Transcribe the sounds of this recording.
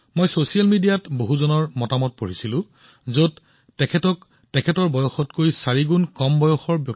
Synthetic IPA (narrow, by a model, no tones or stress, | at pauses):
mojsosialmidijatboɦuzɔnɔɹmɔtamɔt̚poɹisilʊ̃ | zod | tɛkʰɛtɔk | tɛkʰɛtɔɹbɔjɔxɔtkojsaɹiɡunkɔmbɔjɔxɔɹbjɔ